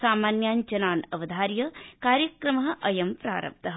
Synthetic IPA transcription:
saːmaːnjaːnd͡ʒɐnaːnɐʋɐd̪ʱaːɾjɐkaːɾjɐkɾɐmɐɦɐʔɐjɐmpɾa̰ːɾɐ̰p̚t̪ɐɦ

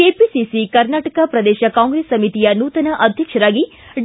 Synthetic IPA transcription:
episisikɐɾnaːʈɐkapɾɐd̪eːʃɐkãːŋɡɾesːɐmit̪ijɐnuːt̪ɐnɐʔɐd̪ʱjɐkʂɐɾaːɡi | ɖ

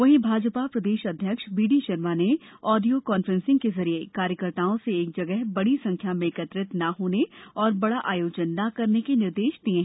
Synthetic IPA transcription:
ʋɐɦĩbʱaːd͡ʒpapɾɐd̪eːʃɐd̪ʱjəkʃbiːɖiʃɐɾmaːne | ɔːɖijokɔːnfɾə̃nsɪ̃ŋɡkezɐɾiekaːɾjəkəɾt̪aːõseːk̚d͡ʒɐɡɛɦbɐɽisɐ̃ŋkʰjamẽːkət̪ɾɪt̪naɦoːneɔːɾbɐɽaʔaːjoːd͡ʒənːakɐɾnekenɪɾd̪eːʃd̪iẽ

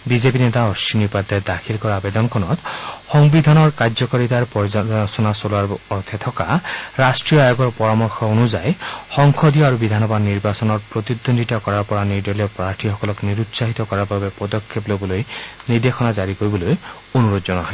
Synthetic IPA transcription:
bizepinet̪aɔʃinipad̪ɛd̪akʰilkɔɹaːbed̪ɔnkʰɔnɔt̪xɔŋbid̪ʱanɔɹkazɔkɔɹit̪aɹpɔsɔnasolaɹɔt̪ʰɛt̪ʰɔkaɹastɹijɔajoɡɔɹpɔɹɔmɔɹxʰɔonuzajxɔŋxʰɔd̪ijɔaɹubid̪ʱanɔbadniɹbasɔnɔɹpɹot̪id̪ond̪ʱitakɔɹaɹpɔɹaniɹd̪ɔlɔpɹaɹʈʰixɔkɔlɔkniɾut̪saɦit̪ɔkɔɹaɹbabepɔd̪ɔkʰːeplobɔlojniɹd̪exʰɔnazaɹikoɹibɔloj | onuɹod̪zɔnɔɦɔj

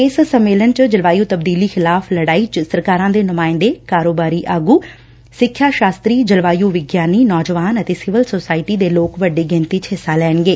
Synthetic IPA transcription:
ɪssəmːeːlənt͡ʃd͡ʒəlʋaːjuːt̪əb̚d̪iːliːxɪlaːfʰləɽaːiːt͡ʃsəɾkaːɾãːd̪eːnʊmaːɪnd̪eːkaːɾoːbaːɾiːʔaːɡuː | sɪkʰːjaːʃaːst̪ɾiːd͡ʒəlʋaːjuːʋɪɡjaːniːnɔːd͡ʒʋaːnət̪eːsɪʋəlsoːsaːɪʈiːd̪eːloːkʋəɖeːɡɛ̃nt̪it͡ʃɦɪsːaːlɛːɳɡeː

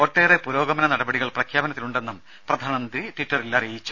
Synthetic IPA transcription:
oʈːeːrepuɾo̞ːɡɐmɐnɐnɐɽɐbɐɽiɣɐɭprɐkʰjaːbɐnɐt̪ːiluɳɖe̞nːum | prɐd̪ʱaːnɐmɐnd̪riʈwiʈːɐrilːarijit͡ɕːu̥

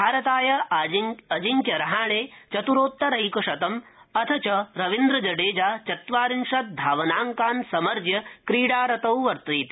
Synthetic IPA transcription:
bʱaːɾɐt̪aːjɐ | ɐd͡ʒiŋkjɐɾɐɦaːɳeːt͡ʃɐt̪uɾoːt̪ːɐɾɐɦikuʂɐt̪ɐmɐt̪ʰɐt͡ʃɐɾɐʋind̪ɾɐd͡ʒɐɖeːd͡ʒaːt͡ʃɐt̪ʋaːɾinʂɐt̪̚d̪ʱaːʋɐnaːŋkaːnsɐmɐɾd͡ʒjɐkɾiːɽaːɾɐt̪ɐwʋɐɾt̪ɾiːt̪i̥

